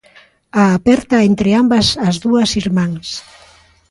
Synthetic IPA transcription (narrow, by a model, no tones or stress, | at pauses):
aːpɛɾt̪aent̪ɾeambɐsɐzðuɐsiɾmaŋs